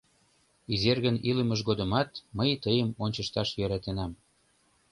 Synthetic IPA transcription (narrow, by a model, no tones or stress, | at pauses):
izerɣəniləməʒɣod̪ə̆mɑt̪məjt̪əjəmonʲt͡ɕəʃt̪ɑʃjøɾɑt̪enɑm